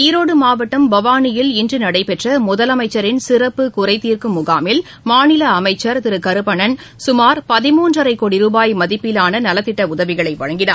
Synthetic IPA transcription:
iːɾoːɽɯmaːʋɐʈːɐmbɐʋaːnɪjɪlɪndrɯnɐɽɐɪpɛʈrɐmʊðɐlɐmɐɪt͡ʃːɐɾɪnsɪrɐpːɯkʊrɐɪt̪iːrkɯmʊɣaːmɪl | maːnɪlɐːmɐɪt͡ʃːɐɾt̪ɪɾɯkɐɾɯpːɐɳɐn | sʊmaːɾpɐðɪmuːndrɐɾɐɪkːoːɽiɾuːbaːjmɐðɪpːɪlaːnɐnɐlɐt̪ːɪʈːɐʊðɐʋɪɣɐɭɐɪʋɐ̰ɻɐŋɡɪna̰ː

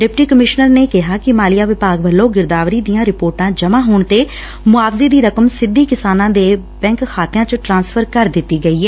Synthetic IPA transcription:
ɖɪpʈiːkəmɪʃnəɾneːkɪɦaːkɪmaːlijaːʋɪpaːɡʋəlːõːɡɪɾd̪aːʋɾiːd̪ijãːɾɪpoːɾʈãːd͡ʒəmãːɦoːɳt̪eː | mʊaːfzeːd̪iːɾəkəmsɪd̪ːiːkɪsaːnãːd̪eː | bɛ̃ːŋkkʰaːt̪ɪjãːt͡ʃəʈɾãːnspʰəɾkəɾd̪ɪt̪ːiːɡəiːɛː

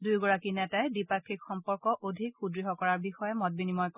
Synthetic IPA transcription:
dujɡɔɹakinɛtaɛdipakʰːikxɔmpɔɹkɔʔodʱikxudɹiɦɔkɔɹaɹbixɔjɛmɔt̚binimɔjk

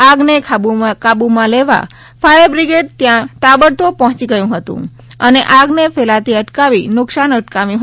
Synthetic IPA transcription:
aɡnekʰabukabumãleʋa̰ | fʰajəɾbɾiɡeʈ̚t̪jãt̪abəɽt̪opɔ̃ɦɔ̃t͡ʃiɡəjũɦət̪ṵ̃ | əneʔaɡnefʰelat̪iəʈkaʋinʊksanəʈkaʋjũɦ

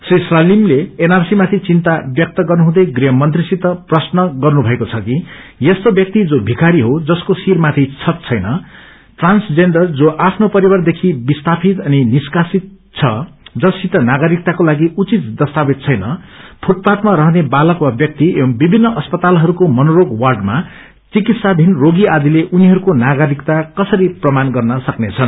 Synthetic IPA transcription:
sisrʌlimleenarsimat̪ʰit͡sint̪abjʌk̚t̪ʌɡʌrnuɦũd̪ʌjɡriɦʌmʌnt̪risit̪ʌprʌsnʌɡʌrnubʱʌekot͡sʰʌki | jest̪objʌk̚t̪id͡zobʱikaɾiɦod͡zʌskosirmat̪ʰit͡sʰʌt̪̚t͡sʰʌjnʌ | ʈransd͡zeɳɖʌrd͡zoʔapʰnopʌɾibʌrd̪ekʰibist̪apʰit̪ʌniniskasit̪̚ | t͡sʰʌd͡zʌsit̪ʌnaɡʌɾik̚t̪akolaɡiut͡sit̪̚d̪ʌst̪abit̪̚t͡sʰʌjnʌpʰuʈ̚pat̪maɾʌɦnebalʌkwabjʌk̚t̪ibibʱinːʌʔʌspʌt̪alɦʌɾukomʌnoɾoɡwʌrɖma | t͡sikit̪sad̪ʱinroɡiad̪ileʔuniɦʌɾukonaɡʌɾikt̪akʌsʌɾiprʌmanɡʌrnʌsʌknet͡sʰʌn

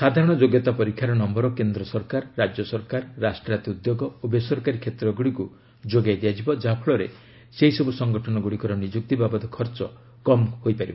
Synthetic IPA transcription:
sad̪ʱaɾɔɽ̃ɔd͡ʒoɡjɔt̪apɔɾikʰːjaɾɔnɔmbɔɾɔkend̪ɾɔsɔɾkaɾːad͡ʒjɔsɔɾkaɾːasʈɾat̪iud̪joɡɔobesɔɾkaɾikʰet̪ɾɔɡuɽiku | d͡ʒoɡajd̪ijad͡ʒibɔd͡ʒapʰɔɭɔɾe | seɦisɔbusɔŋɡɔʈʰɔnɔɡuɽikɔɾɔnid͡ʒuk̚t̪ibabɔd̪ɔkʰɔɾt͡ʃɔ | kɔmhojpaɾibɔ

